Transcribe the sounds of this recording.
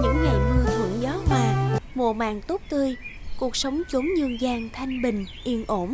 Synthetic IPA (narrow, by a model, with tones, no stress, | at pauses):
ɲɨ̰˧˥ŋːɛ˨˩jmɨ˧ət̪ʰɨ̰˧˩əŋzɔ˨˦hwaː˧˩mo˨˧˩əma̰ː˧˨ŋt̪o˦˥k͡p̚t̪ɨ˧əjku˨˩ək̚sə˨˦wŋ͡mt͡ɕo˨˦ŋ͡mɲɨ˧əŋzaː˧ŋt̪ʰa˧jŋ̟ɓï˨˩ŋ̟ʔi˧˩ənʔo˧˩m